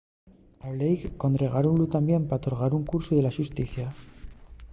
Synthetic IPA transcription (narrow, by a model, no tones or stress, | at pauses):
aβlejkkːo̞nd̪ɾe̞ɣ̞aɾonlut̪ambje̞mpaot̪oɾɣ̞aɾuŋkuɾsuðe̞laʃust̪iθja